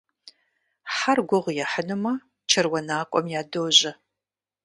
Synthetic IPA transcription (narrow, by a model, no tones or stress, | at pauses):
ħarɡʷʊʁjɛħənɨmɐ | t͡ʃʰɐrwɐnaːkʷʼɔmjaːdoːʑɐ